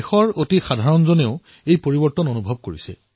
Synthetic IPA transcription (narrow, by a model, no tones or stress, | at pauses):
xɔɹotixadʱaɹɔnzoneʊ | ejpoɹibɔɹtɔnonubʱɔb̚koɹisɛ̰